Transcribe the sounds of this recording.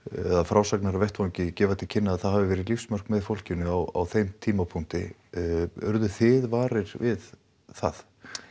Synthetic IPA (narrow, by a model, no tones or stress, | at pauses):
ɛ̰ðafɾawsaknaɾavɛht̪vawɲcɪcɛːvat̪ʰɪlcʰɪnːaðːðθaðɦavɪvɛːɾɪðlifsmœr̥kmɛðfowl̥cɪnːʏawa̰wθejmt̪ʰiːmapʰuŋ̥t̪ɪ̰ | œɾðʏθɪðvaːɾɪɾvɪð | θa̰ð